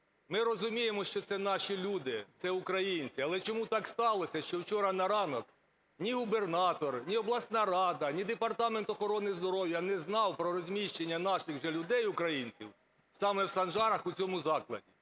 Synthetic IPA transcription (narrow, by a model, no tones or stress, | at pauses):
mɪɾɔzʊmʲijemɔʃt͡ʃɔt̪sɛnɑʃilʲud̪ɪt̪sɛʊkɾɐjinʲt͡sʲiɐlˠɛt͡ʃɔmut̪ɑkst̪ɑlˠɔsʲɐʃt͡ʃɔwt͡ʃɔɾɐnɐɾɑnɔk | nʲiɦʊbe̞rnɑt̪ɔrnʲiɔblˠɑsnɑɾɑd̪ɐnʲid̪epɐrt̪ɑment̪ɔxɔɾɔnɪzd̪ɔɾɔwjɐnɛznɑwpɾɔɾɔzʲmʲiʃt͡ʃenʲːɐnɑʃɪxwʒɛlʲʊd̪ɛjʊkɾɐjinʲt͡sʲḭw | sɑmɛwsɐnʒɑɾɐxʊt͡sʲɔmʊzɑklˠɐ̰dʲi